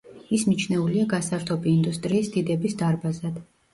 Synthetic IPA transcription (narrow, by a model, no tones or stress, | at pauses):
ismit͡ʃʰnɛuliaɡasaɾt̪ʰɔbiːnd̪ust̪ʼɾiːsd̪id̪ɛbisd̪aɾbazad̪̥